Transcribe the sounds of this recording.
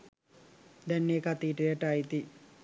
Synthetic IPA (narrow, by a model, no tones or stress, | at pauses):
d̪ɛnːeːkat̪iːʈəjəʈait̪i